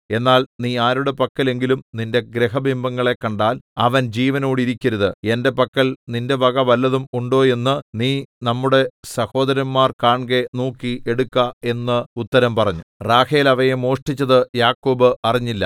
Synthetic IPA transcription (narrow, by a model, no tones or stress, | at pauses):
e̞nːaːlniːaːɾuɽe̞pɐkːɐle̞ŋɡilumninde̞ɡɾeɦɐbʱimbɐŋːɐɭe̞kːɐɳɖaːlɐʋɐnd͡ʑiːʋɐnoːɽiɾikʲːɐɾuðɨe̞nde̞pɐkːɐɭninde̞ʋɐɡɐʋɐlːɐðumuɳɖo̞ːje̞nːɨniːnɐmːuɽe̞sɐho̞ːd̪ɐɾɐnmaːrkaːɳɡenuːkːiʔeɽukːɐe̞nːɨut̪ːɐɾɐmpɐrɐɲːuraːheːlɐʋɐjemo̞ːʂʈit͡ɕːɐðɨjaːkːoːbɨɐriɲːilːɐ̰